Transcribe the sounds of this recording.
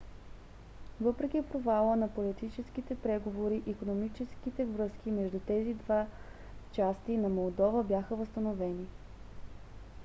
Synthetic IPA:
vɤpɾɛkʲipɾovalˠənɐpolit̪it͡ʃɛskit̪ɛpɾɛɡovoɾiʔikonomit͡ʃɛskit̪ɛvɾɤsk̟imɛʒd̪ut̪ɛzid̪va | t͡ʃast̪inɐmolˠd̪ɔvəbʲjaxəvəst̪ənovɛni

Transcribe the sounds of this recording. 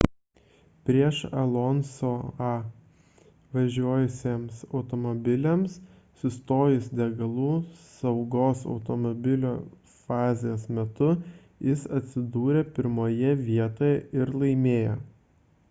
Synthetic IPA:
pʲɾʲiɛʃɐ̰lˠɔnsoːɑ | ʋɐʒʲuɔjʊsʲeːmsɒʊt̪ɔmɔbʲɪlʲɛms | sʊst̪oːjɪsd̪ʲɛɡɐlˠuːsɐʊɡoːsɒ̰ʊt̪ɔmɔbʲɪlʲoː | fɑːzʲɪjeːsmʲɛt̪ʊ | jɪsɐt̪ʲsʲɪd̪uːɾʲɛpʲɪɾmoːjɛʋʲiɛt̪oːjɛɪɾlˠɐɪmʲeːjɛ

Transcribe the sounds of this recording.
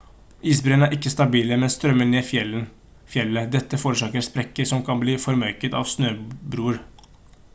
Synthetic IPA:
ʔiːsbɾeːnæːɾʔɪkːəst̪ɑbiːləmɛnst̪ɾœmːəneːfjɛə | fjɛlːəd̪ɛt̪ːəfoːɾəʂɑːkəɾspɾɛkːəsɔmkʰɑnbliːfɔɾmœʏkət̪ɑ̰ːʋsnøːbɾuːɾ

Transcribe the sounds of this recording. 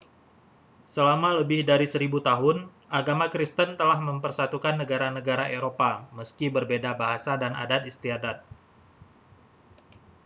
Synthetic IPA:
səlamaləbɪhdaɾisəɾibut̪aɦʊn | ʔaɡamakɾist̪ənt̪əlahməmpərsat̪ukanːəɡaɾanəɡaɾaʔeɾopaməskibərbedabaɦasadana̰dat̪ist̪iadat̪̚

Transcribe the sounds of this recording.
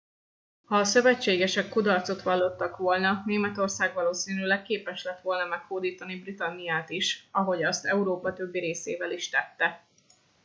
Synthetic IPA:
hɒːsøvɛt͡ʃːeːɡɛʃɛkːud̪ɒrt̪so̞t̪ʋɒlːo̞t̪ːɒkʋo̞lnɒneːmɛt̪o̞rsaːɡʋɒloːsiːnylɛkkːeːpɛʃlɛt̪ʋo̞lnɒmɛkhoːd̪iːt̪ɒnibrit̪ɒnːijaːt̪iʃɒɦo̞ɟɒst̪ɛuɾoːpɒt̪ø̞bːiɾeːsḛːvɛliʃt̪ɛt̪ːɛ

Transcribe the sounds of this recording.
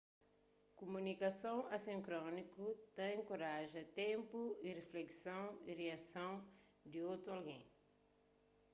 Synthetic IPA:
kumunikɐsɐ̃w̃ɐsĩŋkɾɔ̃nikut̪ẽj̃koɾaʒɐt̪ẽmpuireflɛksɐ̃w̃ireasɐ̃w̃ | d̪iot̪ɾualɡḛ̃j̃

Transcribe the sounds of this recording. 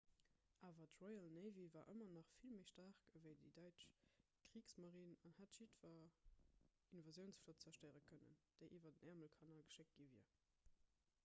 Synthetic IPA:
ʔaːvɐtʁɔɪalneɪvivaːʔə̰mɐnɑχfilməɪʃtɑʁkəvəɪdidɑɪt͡ʃ | kʁ̥iːksmɑʁiːnɑnhatʃitfɐ | inovɑzjəʊnsflott͡sɐʃtəɪʁəkʰənə̰nd̥əɪʔiːvɐdənæɐməlkʰɑnaːlɡəʃek̚ɡ̥iviɐ

